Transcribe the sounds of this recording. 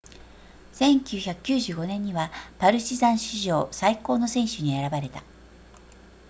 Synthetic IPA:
sẽ̞ŋkʲɨːçakɯ̟̥kʲɨːʑɨːɡo̞nẽ̞ɲ̟ːiβapaɾɯ̟ɕizãɰ̃ɕiʑo̞ːsaiko̞ːno̞sẽ̞ɰ̃ɕɨɲ̟ie̞ɾabaɾe̞t̪a

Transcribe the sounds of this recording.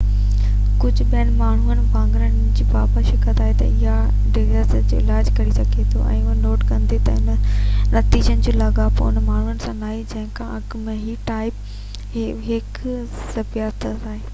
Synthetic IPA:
kʊd͡ʑʱʊ̆ɓiənɪ̆maːɳ̤uənɪ̆kãːŋɡɾənɪ̆d͡ʑiːpaːpəʃɪkət̪aːɦet̪ɐ̰ɪɦa | ɖɪɡəs | d͡ʑoːɪlaːd͡ʑkɐɾisɐɡʱet̪ʰoʔɛ̰̃ːʊɦənoːʈkɐ̃nd̪it̪ɐɪnnɐt̪iːd͡ʑənɪ̆d͡ʑoːlɐɠapɐʊnmaːɳ̤uənɪ̆sãnaːɦid͡ʑɐ̃ɦɪ̃kʰãɐkmẽɦiʈaːɪp | ɦɪk | sɐbijat̪ʰt̪aːɦeː

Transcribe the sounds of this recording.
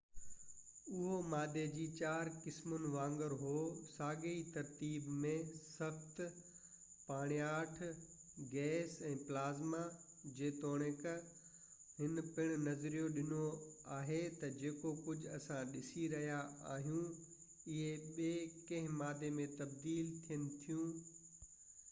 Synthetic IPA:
ʊɦomaːd̪ʱed͡ʑiːt͡ɕaːɾkɪsmʊnɪ̆ʋãːŋɡəɾɦoːsaːɡeit̪ɐɾt̪iːbmẽsɐxt̪ | paːɽ̃ijaːʈʰɡɛːsɛ̃ːplaːzma | d͡ʑeːt̪oːɽ̃ek | ɦɪnpɪɽ̃ʊ̆nɐzɾijoɗɪnoaːɦet̪ɐd͡ʑeːkokʊd͡ʑʱɐsãɗɪsiɾɐɦijaa̰ːɦijũ | ɪɦeɓeːkɐ̃ɦɪ̃maːd̪ʱemẽt̪ɐbd̪iːlt̪ʰijənɪ̆t̪ʰijũː

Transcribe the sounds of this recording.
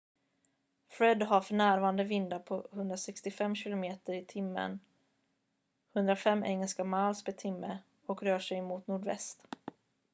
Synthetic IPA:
fɾɛd̪ɦafœɳæːɾvɑːɾand̪əvɪnd̪apʰɔhɵnd̪ɾasɛkst̪ɪfɛmːɕɪlʊmeːt̪əɾɪt̪ʰɪmːə̰n | hɵnd̪ɾafɛmːʔɛ̰ŋːɛlskamalsbɛt̪ʰɪmːə | ɔkɾœːʂɛjmuːt̪nuːɖvɛ̰st̪

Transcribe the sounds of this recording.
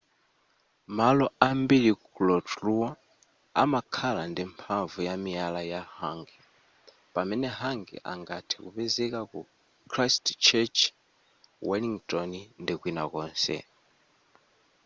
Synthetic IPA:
malɔambiɺikulɔtluwa | a̰makʰalandimpʰaɱvujamialajahaːŋɡɛ | pamɛnɛɦaŋɡɛ̰ʔa̰ŋɡatʰikupɛzɛkaku | kʰɾastt͡ʃʰɛt͡ʃ | wɛliŋtʼɔnndikwina̰kɔːnsɛ̰

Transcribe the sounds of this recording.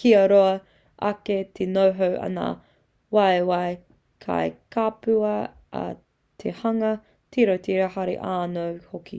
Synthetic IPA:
kiɐɾoɐ | ʔɐ̰ketʰenowɦowʔɐ̰na̰ | wajwae | kʰa̰jkapʉɐ | ɐ̰ | tʰehɐŋɐ | tʰiɾowt̪ʰiɾahaɾḛʔaːnowhokḭ

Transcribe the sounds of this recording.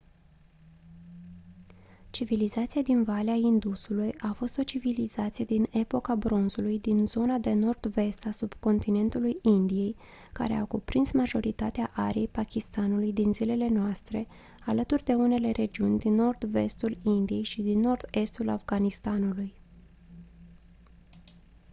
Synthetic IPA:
t͡ʃivilizat̪sijad̪invaleaind̪usulujafo̞st̪o̞t͡ʃivilizat̪sije̞d̪ine̞po̞kabɾo̞nzulujd̪inzo̞nad̪e̞no̞rd̪ve̞st̪asub̥ko̞nt̪ine̞nt̪ulujind̪ije̞j | ka̰ɾḛa̰wkupɾinsmaʒo̞ɾit̪at̪eaʔaɾiejpakʲist̪anulujd̪inzile̞le̞noast̪ɾe̞ | alət̪urʲd̪e̞une̞le̞ɾe̞d͡ʒiunʲd̪inːo̞rd̪ve̞st̪ulind̪ije̞jʃid̪inːo̞rd̪e̞st̪ula̰fɡanist̪anuluj

